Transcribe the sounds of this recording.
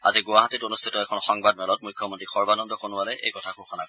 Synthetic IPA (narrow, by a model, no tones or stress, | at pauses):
a̰ziɡʊwaɦatitonustʰitɔɛkʰɔnxɔŋbadmɛlɔt̚mujkʰːjɔmɔntɹixɔɹbanɔndɔkonʊalɛʔḛjkɔtʰakuʊkʰɔnakɔ